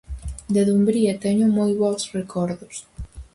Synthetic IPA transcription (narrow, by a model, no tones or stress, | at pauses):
d̪eðumbɾiɐt̪ɛɲumojβɔwsrekʰɔɾðos